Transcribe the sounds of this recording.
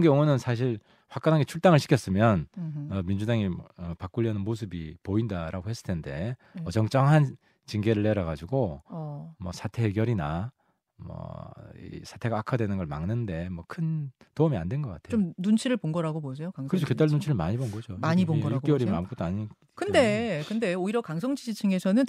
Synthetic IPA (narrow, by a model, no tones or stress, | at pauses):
ɯnɡe̞oŋɯnɯnsʰaɕ̬ʰiɭ | ɸwak͈anɦaɡe̞t͡ɕʰuɭt͈aŋɯɭɕʰi̥kʰjʌs͈ɯmjʌnʌmind͡ʑudaŋiʌpak͈uʎːʌnɯnmos̬ʰɯbipoindaɾʔaɡohe̞s͈ɯɭtʰe̞nde̞ʌd͡ʑʌŋt͡ɕ͈ʌŋɦan | t͡ɕiŋɡeɾɯɭːeɾʌɡad͡ʑuɡo | mwʌsʰatʰe̞ːɡjʌɾina | mʌ̰ḭsʰatʰe̞ɡaakʰadwe̞nɯnɡʌɭmaŋnɯnde̞mwʌkʰɯn | toumiandwe̞nɡʌk͈atʰeomnunt͡ɕʰiɾɯɭponɡʌɾaɡobosʰejokaŋkɯɾesʰoked͈aɭnunt͡ɕʰiɾɯɭmaɲibonɡʌd͡ʑomaɲiboɡʌɭ͈euɾimɯnamuk͈ʰot͈ʰaɲi | kʰɯndekɯnde̞oiɾʌkaŋs̬ʰʌŋd͡ʑid͡ʑit͡ɕʰɯŋe̞sʰʌnɯn